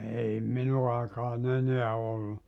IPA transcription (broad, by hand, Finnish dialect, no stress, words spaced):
ei minu ɑikɑːn eneæ olːu